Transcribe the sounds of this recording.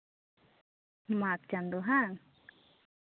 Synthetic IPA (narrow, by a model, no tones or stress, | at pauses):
mak̚t͡ʃand̪oɦaŋ